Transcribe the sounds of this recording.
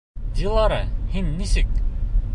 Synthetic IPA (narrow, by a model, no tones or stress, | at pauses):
jɯ̆lˠːɑɾɤhinːisɘk̚